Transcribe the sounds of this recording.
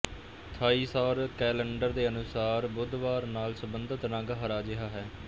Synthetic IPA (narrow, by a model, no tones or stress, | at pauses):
t̪ʰaːiːsaːɾkɛːləɳɖəɾd̪eːənʊsaːɾbʊd̪ʋaːɾnaːlsəbənd̪ət̪nãːɡaːɦəɾaːd͡ʒɪɦaːɦɛː